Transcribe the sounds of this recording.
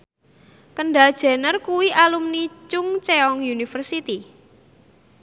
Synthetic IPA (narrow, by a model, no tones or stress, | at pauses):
kəɳɖad̥ʒ̥ɛ̤nərkuwiʔalumnit͡ʃʊŋt͡ʃeɔŋjunifərsit̪i